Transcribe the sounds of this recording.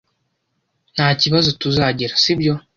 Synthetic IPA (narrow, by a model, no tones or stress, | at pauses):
n̥haːciβazo̞tuzaɟiɾasibjo̞